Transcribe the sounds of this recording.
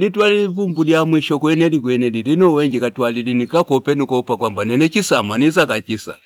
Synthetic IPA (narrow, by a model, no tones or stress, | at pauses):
litwaliivumbudiamwiʃɔkwɛnɛdikwɛnɛdidinɔwɛŋɡikatwalilinikakɔpɛnikɔpakwambanɛnɛt͡ʃisamanizakat͡ʃisa̰